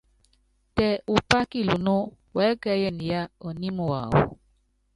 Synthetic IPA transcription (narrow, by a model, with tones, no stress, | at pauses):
tɛ˨u˨pa˦ki˦˨lu˨no˦ | wɛ˨˦kɛ˦jɛ˦ni˨ja˦o˨ni˦mo˨wa̰˨wo̰˨